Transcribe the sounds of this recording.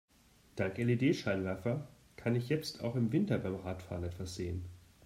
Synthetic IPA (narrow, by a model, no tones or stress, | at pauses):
d̥aŋkʔɛlideːʃaɪlvɛɐfɐ | kʰanɪçjɛt͡stʰa̰ʊxɪmvɪntɐbaɪmʁaːtfa̰ːʁənɛtv̥asz̥eːən